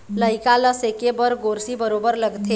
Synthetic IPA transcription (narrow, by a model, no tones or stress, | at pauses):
ləɪkaləsekebəɾɡoːɾsibəɾoːbəɾləɡt̪ʰe